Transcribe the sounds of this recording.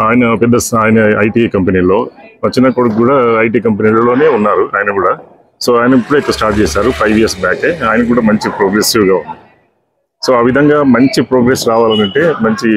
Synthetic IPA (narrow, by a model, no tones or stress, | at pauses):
aːjɐnɐpɛd̪ːɐsaːjɐnɐɐjʈiːkɐmpɐniːlo̞ːmɐɲt͡ʃːinɐkuɽɐkuːɽaːɐjʈ̬iːkɐmpeniːlɐlo̞ːne̞ːunːaːɾuaːjɐnɐkuːɽaː | so̞ːaːjnɐipːuɽuekːɐsʈaːɾʈ̚t͡ʃɛːsaːɾupʰɐjʋiɐsbaːkeːaːjɐnɐk̬uːɽaːmɐɲt͡ʃipɾoːɡɾesiʋɡaːund̪i | so̞ːaːʋid̪ʱɐŋɡaːmɐɲt͡ʃipɾoːɡɾesɾaːʋaːlɐnɐɳʈe̞ːmɐɲt͡ʃi